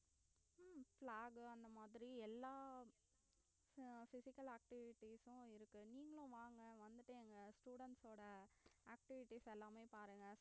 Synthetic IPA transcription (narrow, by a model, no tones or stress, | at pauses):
fɭaːɡɯɐnd̪ɐmaːðɪɾiɛlːaː | fɪsɪkːɐlaːk̚ʈɪʋɪʈːisʊ̃ɪɾɯkːɯniːŋɡɐɭʊ̃ʋaːŋɡɐʋɐnd̪ɯʈːɯɛŋɡɐsʈuːɽɛɳʈsoːɽɐaːk̚ʈɪʋɪʈːisɛlːaːmeːpaːɾɯŋɡɐ